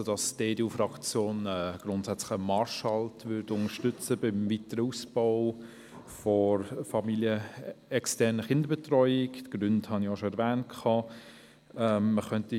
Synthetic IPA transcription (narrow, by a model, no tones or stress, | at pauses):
od̥ɑsdeːduːfrɑkt͡sjoːnɛɡ̥ɾʊntsɛt͡slə̥əmɑɹʃɑltʋʏɾdʊŋəʃtʏt͡səbɪmvitəɾəusb̥ɔʊ | fɔɾfɑmiljəɛkstɛɾnəχɪndəɾbetrɔʏɪktɡ̥ɾʏnthɑnioʃoɛɾvæːnt̚kʰχɑː | ɛːəχœnti